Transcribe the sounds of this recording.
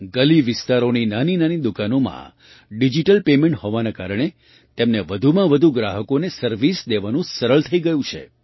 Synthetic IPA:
ɡəliʋɪst̪aɾoninaninanid̪ukanomã̰ | ɖid͡ʒiʈəlpemẽɳʈhoʋanakaɾəɳ̃e | t̪emneʋəd̪ʱumãʋəd̪ʱuɡɾaɦəkonesəɾʋisd̪eʋanũsəɾəɭt̪ʰəiɡəjũt͡ʃʰḛ

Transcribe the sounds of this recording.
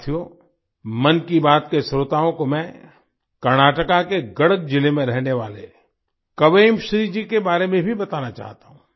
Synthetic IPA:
t̪ʰioː | mɐnkibaːt̪kesɾoːt̪aːõkomɛ̃ː | kɐɾnaːʈəkakeɡɐɽək̚d͡ʒɪlemẽɾɛɦneʋaːle | kɐʋeːmʃɾid͡ʒikebaːɾemẽbʱibɐt̪aːnat͡ʃa̰ːɦt̪aːɦũː

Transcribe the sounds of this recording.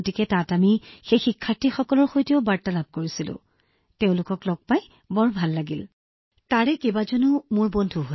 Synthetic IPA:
otikɛtatamixejxikʰːaɹtixɔkɔlɔɹxojtiɔʊbaɹtalab̚koɹisilʊ̰̃ | teʊ̃lʊkɔklɔɡ̚paj | bɔɹbʱalːaɡil | taɹɛkebazɔnumʊɹbondʱuɦo

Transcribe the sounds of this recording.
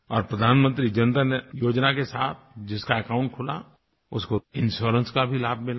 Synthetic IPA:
ɔːɾpɾəd̪ʱaːnmə̃nt̪ɾid͡ʒɐnət̪anejoːd͡ʒnakesaːt̪̚ʰd͡ʒɪskaekaːʊ̃ɳʈ̚kʰʊla̰ | ʊskoɪ̃nʃoːɾə̃nskabʱilaːb̚ʱmɪla

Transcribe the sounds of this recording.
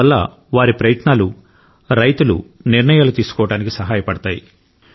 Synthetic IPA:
ɐlːɐ̰ | ʋaːɾipɾɐjɐt̪naːlu | ɾɐjt̪ulṵniɾɳɐjaːlut̪iːsu̥kɔːʋɐɽaːnikisɐɦaːjɐpɐɽɐt̪aːjḭ

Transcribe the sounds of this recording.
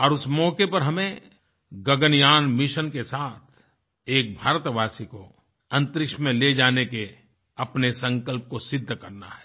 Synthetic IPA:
ɔːɾʊsmɔːkepɐɾɦɐmẽ | ɡɐɡənjaːnmɪʃənkesaːt̪ʰ | eːk̚bʱaːɾt̪ʋaːsiko | ɐ̃nt̪ɾɪkʃmẽled͡ʒaːneke | ɐpnesɐ̃ŋkəlp̚kosɪd̪ʱːkɐɾna̰ɦɛ̥ː

